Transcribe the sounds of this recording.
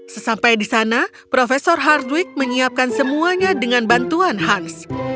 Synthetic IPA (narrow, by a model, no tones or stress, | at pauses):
səsampajdisana | pɾofesɔrɦardwɪk̚məɲiap̚kansəmuaɲadəŋanbant̪uanɦans